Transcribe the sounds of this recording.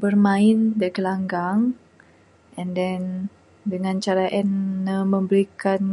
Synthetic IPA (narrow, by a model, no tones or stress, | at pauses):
bərmãɪndakəlaŋɡaŋ | ʔɛ̃ndɛn | dəŋãnt͡ʃaɾaʔɛnːəmə̃mbəɾikan